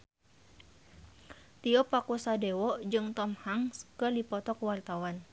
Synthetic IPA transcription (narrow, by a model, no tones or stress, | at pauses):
t̪iɔpakusadɛwɔd͡ʒɨŋt̪ɔmhaŋskədipɔt̪ɔkwart̪awan